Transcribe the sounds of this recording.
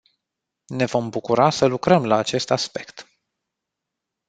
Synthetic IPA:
ne̞vo̞mbukuɾasəlukɾəmlaːt͡ʃe̞st̪aspe̞kt̪

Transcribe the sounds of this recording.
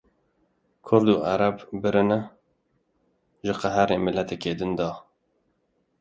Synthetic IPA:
kʰʊɾd̪uːʔæɾɛbbɨɾɨnɛ | ʒɨqæɦæɾeːmɪlːɛt̪ɛkeːd̪ɨnd̪ɑː

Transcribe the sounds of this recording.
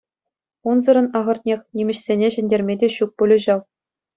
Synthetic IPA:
unzɤ̆ɾɤ̆nɑʁɤ̆rt̪ʲnʲexʲnʲimʲɘ̆ɕsʲenʲeʑɘ̆nʲdʲerʲmʲedʲeɕuk̚pulʲɤ̆ʑɑw

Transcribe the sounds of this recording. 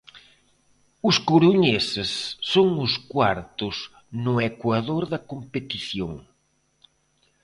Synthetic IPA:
ʊskuɾuɲesɪsːoŋʊskwaɾt̪ʊs | nʊekwaðoɾðɐkompet̪iθjoŋ

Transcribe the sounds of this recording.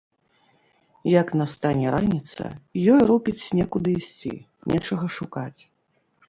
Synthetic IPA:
jɐknɐst̪anʲɛɾanʲit̪sɐ̰jɔjrupʲit͡sʲsʲnʲɛkud̪ɨisʲt͡sʲḭ | nʲʔɛt͡ʂɐɣɐʂukat͡sʲ

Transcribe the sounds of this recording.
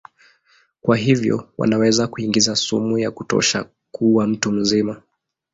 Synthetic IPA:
kwaɦivjɔ̰wa̰nawɛzakuiŋɡizasumujakutɔ̰ʃa̰ | kʰuwam̩tum̩zima

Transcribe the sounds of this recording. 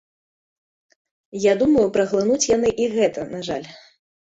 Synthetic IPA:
jad̪umɐjupɾɐɣlˠɨnut͡sʲjan̪ɨʔiɣɛt̪ɐnaʐa̰lʲ

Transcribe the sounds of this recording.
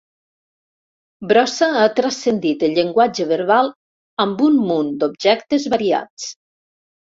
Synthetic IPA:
bɾɔsaat̪ɾasend̪it̪eʎeŋɡwad͡ʒəβeɾβalˠ | ambunmund̪ob̚ʒɛkt̪ezβaɾia̰t͡s

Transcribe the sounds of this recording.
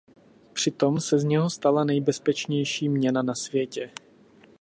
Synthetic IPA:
pr̝̥ɪt̪o̞msɛzɲɛɦo̞st̪alanɛjbɛspɛt͡ʃɲɛjʃiːmɲɛnanasvjɛcɛ

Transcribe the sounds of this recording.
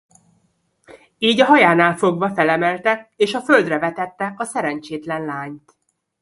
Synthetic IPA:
iːɟɒɦɒjaːnaːlfo̞ɡvɒfɛlɛmɛlt̪ɛkeːʃɒføld̪rɛvɛt̪ɛt̪ːɛɒsɛɾɛnt͡ʃeːt̪lɛnlaːɲt̪

